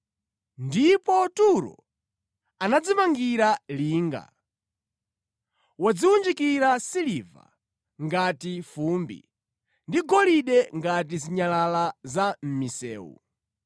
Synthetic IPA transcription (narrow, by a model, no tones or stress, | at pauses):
ndipɔtuɾɔ̰ | anad͡zimaŋɡiɾaliːŋɡa̰ | wad͡ziwund͡ʒikiɾasiliva̰ | ŋɡatifumbḭ | ndiɡɔliɗɛŋɡat̬iziɲalalazam̩misɛ̰ːwṵ